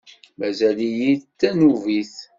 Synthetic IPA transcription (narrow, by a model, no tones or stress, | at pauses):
mæzælijit̪ːænuviθ